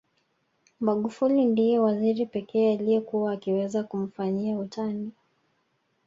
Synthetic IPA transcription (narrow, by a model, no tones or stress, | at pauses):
maɠufulindijɛwaziɾipɛkɛːalijɛkuwaːkiwɛzakum̩faɲiautʰani